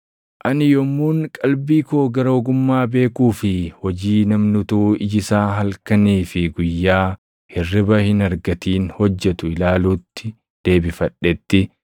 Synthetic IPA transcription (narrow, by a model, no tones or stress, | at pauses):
ʔɐnɪjɔmːuːŋkʼɐlbiːkoːɡɐɾɐːɡʊmːaːbe̞ːkuːfɪhɔd͡ʒiːnɐmnʊt̪uɪd͡ʒɪsaːɦɐlkɐniːfɪɡʊjːaː | hɪrːɪbɐhɪnɐɾɡɐt̪iːnhɔd͡ʒːɛt̪ʊɪlaːluːt̪ːɪ | d̪̥e̞ːbɪfɐᶑːɛt̪ːɪ